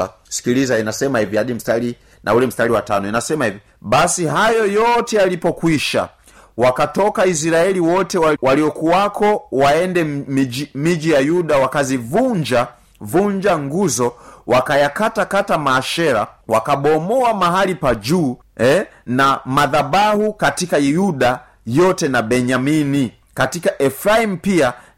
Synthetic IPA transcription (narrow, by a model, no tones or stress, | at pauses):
si̥kilizainasɛmahivihaɗim̩stali | nʔa̰ulɛm̩staliwatanɔinasɛmahivi | ɓasiɦajɔjɔtɛalipɔkwiʃa̰ | wakatɔkais̬iɾaɛliwɔtɛwawaliɔkuakɔwaɛndɛimid͡ʒijajuɗawakazivuɲd͡ʒa | vuɲd͡ʒaŋɡuzɔwakajakatakatamaːʃɛɾa̰wakaɓɔmɔamaɦalipad͡ʒuː | ɛnamaðabahukatikajuɗa | jɔtɛnabɛɲamini | katikaʔɛfɾaim̩pia